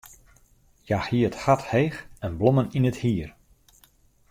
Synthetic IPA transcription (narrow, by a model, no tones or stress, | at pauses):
jaxhiəthathejxɛnblɔməninəthiər